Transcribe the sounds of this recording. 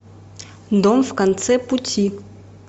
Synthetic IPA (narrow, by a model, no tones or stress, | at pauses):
nd̪ɔmvkant̪t͡sɛputʲʰi